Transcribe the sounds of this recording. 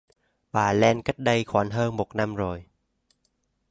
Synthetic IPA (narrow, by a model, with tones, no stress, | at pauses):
baː˨˩lɛː˧˩nka˦˥˩t̪̚da˧˩jkʰɔː˨˦nɦɤː˧ŋbo˨˩k̚na˧˥˨mɾoː˧j